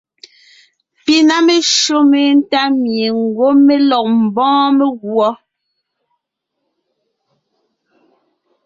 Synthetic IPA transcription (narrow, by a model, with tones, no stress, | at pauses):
pi˦na˦me˨ʃo˦me˨˦n̩˦ta˦mje˨ŋ̩˨ɡwo˦me˦lɔ˨k̚m̩˨bɔ̃ː˦me˦ɣwɔ˦